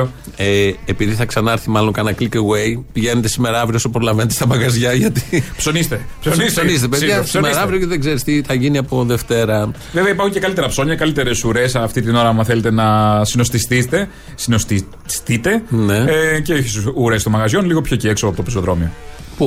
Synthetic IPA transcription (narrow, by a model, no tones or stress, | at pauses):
eːpiðiθɐksɐnɐɾθimɐlo̞ŋkɐnɐkliceɣwe̞jpiʝe̞net̪esime̞ɾɐvɾiosopɾo̞lɐve̞net̪est̪ɐpɐɡɐzʝɐʝɐt̪i̥psonist̪epsonissonis̬t̪epeðʝɐsimeɾɐvɾioceðeɡze̞ɾist̪iθɐʝiniɐpo̞ðeft̪e̞ɾɐ | veveɐipɐɾxuɲcekɐlit̪eɾɐpso̞ɲɐkɐlit̪e̞ɾe̞suɾesft̪it̪ino̞ɾɐmɐθele̞t̪enɐsino̞st̪ist̪it̪e̞ | sinost̪i | st̪it̪e̞nne̞ceoçi̥suɾe̞st̪omɐɣɐzʝo̞nliɣopʰço̞cieksoɐpot̪opisoðɾo̞mio | pu